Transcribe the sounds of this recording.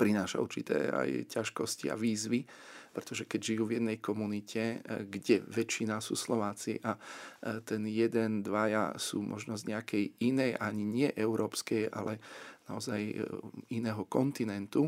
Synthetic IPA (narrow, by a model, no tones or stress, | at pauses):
pɾinaːʃa̰ṵɾt͡ʃit̪ɛ̰a̰jcaʃkɔscḭa̰ʋiːzʋipɾɛt̪ɔʒɛkɛɟʒijuːvjɛd̪nɛjkɔmunicʰɛɡɟɛʋɛt͡ʃːinasṵːslɔʋaːt͡sḭʔat̪ɛnjɛd̪ɛnd̪ʋaja̰sṵːmʔɔ̰ʒnɔzɲɛakɛjinɛjaɲiɲɪɛʔɛʊɾɔːpskɛja̰lɛaɔzajinɛːɦɔkɔnt̪inɛnt̪u